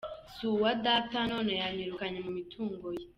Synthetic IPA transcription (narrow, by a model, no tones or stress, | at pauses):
suwadatanoːnejaɲiɾukaɲemumitʰuːŋɡoje